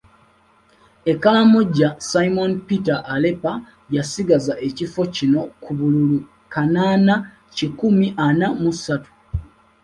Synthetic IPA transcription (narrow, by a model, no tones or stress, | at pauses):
e̞kːalamo̞ɟasaimo̞npitaʔːle̞pa | jasiɡazaʔe̞cifo̞cino̞kuβululu | kanaːna | cikumiʔanamusatu̥